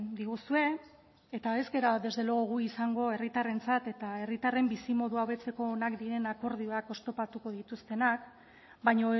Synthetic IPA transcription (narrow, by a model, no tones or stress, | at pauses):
d̪iɣusue̞ | et̪ae̞zɡe̞ɾade̞zðe̞loɣoɣ̞uisaŋɡo̞e̞rit̪are̞nt͡sat̪e̞t̪ae̞rit̪are̞mbisimo̞ðuawβe̞t͡se̞ko̞ːnakd̪iɾe̞nako̞ɾð̞io̞ako̞st̪o̞pat̪uko̞ð̞it̪ust̪e̞nak | bajɲo̞